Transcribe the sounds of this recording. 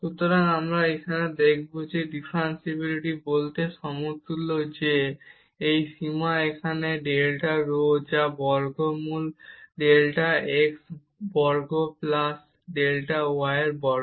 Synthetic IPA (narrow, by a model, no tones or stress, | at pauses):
ʃut̪oɾaŋamɾaekʰaned̪ekʰbod͡ʑeɖipʰɾansebuɾiʈibolt̪eʃɔmot̪ulːod͡ʑe | ejʃimaekʰaneɖelʈaɾod͡ʑabɔɾɡomulɖelʈaeks | bɔɾɡoplas | ɖelʈaoajɾbɔɾ